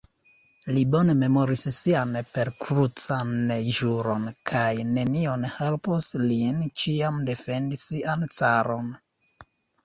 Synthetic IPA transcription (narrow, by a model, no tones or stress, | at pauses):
libo̞ne̞me̞mo̞ɾisːianpe̞ɾkɾut͡sanːejʒuɾo̞nkʰajne̞nio̞nhe̞lposlint͡ʃiamde̞fe̞ndisiant͡saɾo̞n